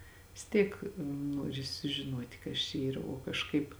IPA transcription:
ʋʲɪs ˈtʲiːk ˈnuɔrʲɪ sʊʒʲɪˈnuɔtʲɪ ˈkɐs t͡ʃʲɛ ˈiːrɐ oː kɐʃˈkɐɪp

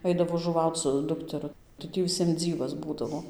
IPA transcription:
ˈɐɪdɐʋoː ʒʊˈʋɐʊt͡s sʊ ˈdʊktʲɛrʊ tɐɪ ˈtʲiː ʋʲɪˈsʲiɛm ˈd͡zʲiːʋɐs ˈbuːdɐʋoː

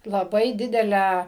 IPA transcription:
lˠɐˈbɐɪ ˈdʲɪdʲɛlʲæː

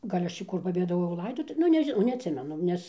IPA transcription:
ˈɡɐlʲ ˈɐʃ t͡ʃʲɛ ˈkʊr pɐbʲeːdɐˈʋoːjɛʊ ˈlˠɐɪdoːtʊ ˈnʊ nʲɛʒʲɪˈnɐʊ nʲɛɐtʲˈsʲɪmʲɛnʊ ˈnʲɛs

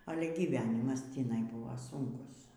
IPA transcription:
ˈɑːlʲɛ ɡʲiːʋʲˈæːnʲɪmɐs tʲiːˈnɐɪ ˈbʊʋɐ ˈsʊŋkʊs

